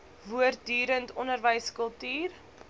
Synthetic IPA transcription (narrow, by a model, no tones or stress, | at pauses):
vuərt̚dyːɾəntɔnərvəjskəlˠtyːr